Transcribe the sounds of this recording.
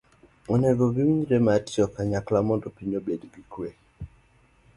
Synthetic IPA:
ɔneɡɔɡiwiɲɾematiɔkaɲaklamɔndɔpiɲobedɡikwe

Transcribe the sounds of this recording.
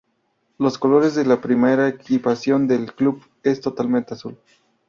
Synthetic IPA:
lo̞sko̞lo̞ɾezðelapɾimeɾaekipasjo̞nd̪e̞lklub | e̞st̪o̞t̪almẽnt̪easul

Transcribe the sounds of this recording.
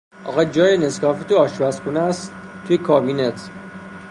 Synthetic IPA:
ʔɒ̰ɣɒd͡ʒɒːjeneskɒːfit̪ʰoɒːʃbæsxunæst̪ːʰ | ujekʰɒːbinet̪ʰ

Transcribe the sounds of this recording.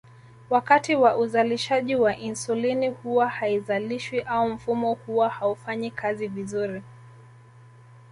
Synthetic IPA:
wakatiwaʔuzaliʃaʄiwaʔinsulinihuwahaizaliʃwiʔaum̩fumɔhuwahaufaɲikʰazivizuɾi

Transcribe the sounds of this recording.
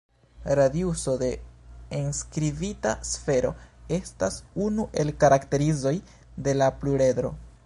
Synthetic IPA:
ɾadiuso̞de̞enskɾivitasfe̞ɾo̞̰e̞stasunuʔe̞lkaɾakte̞ɾizo̞j | de̞lapluɾe̞dɾo̞̰

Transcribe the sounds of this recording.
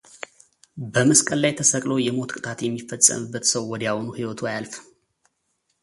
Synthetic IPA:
bəməskʼəlːajt̪ʰəsəkʼlojɛmo̞t̪kʼɨt̪ʰʼat̪jɛmːifəsʼːə̰mɨbːət̪səwːɔd̪jawonuhiwɔt̪ʰuajalf

